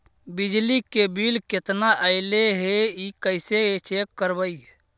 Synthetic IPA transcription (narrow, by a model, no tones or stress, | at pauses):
bid͡ʒlikebilket̪naʔəɪleɦeikəɪseet͡ʃʰekkːəɾbəiɦe